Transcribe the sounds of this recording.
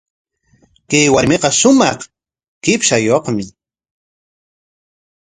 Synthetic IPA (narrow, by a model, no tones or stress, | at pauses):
kajwaɾmeqɑʃʊmɑ̰χ | kɪpʃajoχmɪ